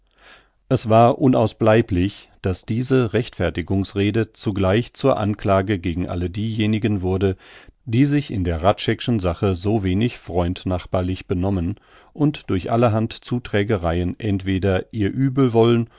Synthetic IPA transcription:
ʔɛsv̥aːɐʔʊnaʊsb̥laɪplɪçd̥asd̥iːzəʁɛçtfɛɐtɪɡʊŋsʁeːdət͡suɡlaɪçt͡suːɐʔa̰nklaːɡəɡeːɡŋ̩ʔa̰lədiːjeːnɪɡənvʊɐdəd̥iːzɪçɪ̰ndeːɐʁatʃɛkʃn̩zaχəzoːveːnɪçfʁ̥ɔʏntnaχb̥aːɐlɪçb̥ənɔmən | ʔʊntd̥ʊɐçʔa̰ləɦantt͡suːtʁ̥ɛːɡəʁaɪənʔɛntv̥eːdɐʔiːɐʔyːbl̩vɔlən

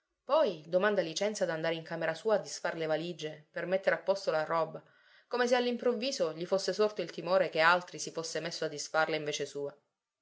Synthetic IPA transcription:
pɔjd̪omand̪alit͡ʃɛnt̪sad̪and̪aːɾeiŋkameɾasuːaːd̪ːisfarlevalid͡ʒepermet̪ːeɾapːɔst̪olarɔːba | komes̬ealːimpɾovːiːzoʎifosːesort̪oilt̪imoːɾekealt̪ɾisifosːemesːoad̪ːisfarleiɱveːt͡ʃesuːa

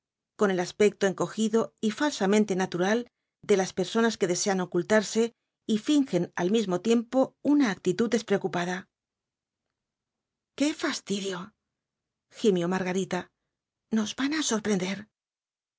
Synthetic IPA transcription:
ko̞ne̞laspe̞k̚t̪o̞e̞ŋko̞xiðo̞ifalsamẽ̞nt̪e̞nat̪uɾal | d̪e̞laspe̞ɾso̞naske̞ðe̞se̞ano̞kult̪aɾse̞ | ifiŋxe̞na̰lmizmo̞t̪je̞mpo̞unaːk̚t̪it̪ud̪e̞spɾeo̞kupaða | ke̞fast̪iðjo̞ | ximjo̞maɾɣaɾit̪a | no̞zβanaso̞ɾpɾe̞nd̪e̞ɾ

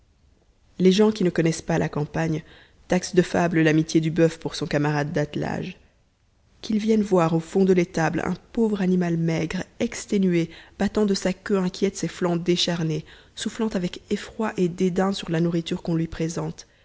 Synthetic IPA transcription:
leʒɑ̃kʲinəkɔnɛspalʔakɑ̃paɲ | t̪aksd̪əfabləlamit̪jed̪ybœfpuʁsɔ̃kamaʁad̪ːat̪la̰ʒ | kʲilvjɛnvwaʁofɔ̃d̪əlet̪ablɛ̰̃povʁanimalmɛɡʁɛkst̪enyeb̥at̪ɑ̃d̪əsakʲøɛ̃kʲjɛt̪seflɑ̃d̪eʃaʁnesuflɑ̃t̪avɛkefχwaʔed̪ed̪ɛ̃syʁlanuʁit̪yʁkɔ̃lɥipχezɑ̃t̪

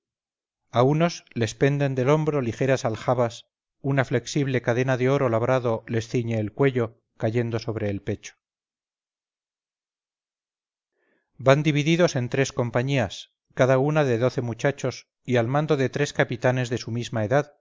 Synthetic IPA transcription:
auno̞sle̞spe̞nd̪e̞nd̪e̞lo̞mbɾo̞lixe̞ɾasalxaβas | unafle̞ksiβ̞le̞kaðe̞naðe̞o̞ɾo̞laβɾaðo̞le̞sθiɲeːlkwe̞ʎo̞ | kaʝe̞nd̪o̞so̞β̞ɾe̞ːlpe̞t͡ʃo̥ | band̪iβiðiðo̞se̞nt̪ɾe̞sko̞mpaɲias | kaðaunaðe̞ðo̞θe̞mut͡ʃat͡ʃo̞s | ialmãnd̪o̞ðe̞t̪ɾe̞skapit̪ane̞zðe̞sumizmaeðað

